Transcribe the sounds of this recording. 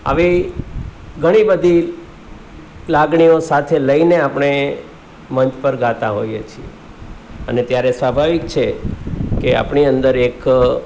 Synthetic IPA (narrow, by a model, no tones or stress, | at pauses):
a̰ʋi | ɡʱəɽ̃ibəd̪ʱi | laɡɳ̃iosat̪ʰeləineapɳ̃e | məɲt͡ʃpəɾɡat̪aɦojet͡ʃʰiḛ | ənet̪jaɾesʋabʱaʋik̚t͡ʃʰekea̰pɳiənd̪əɾek